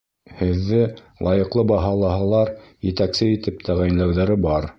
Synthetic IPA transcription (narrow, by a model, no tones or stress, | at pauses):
hɘ̆ðːɘlˠɑjɤ̆qlˠɤbɑɦɑlˠɑɦɑlˠɑɾjɘ̆t̪æksɘit̪ɘp̚t̪ʰæʁæj̆nlæwðæɾɘbɑɾ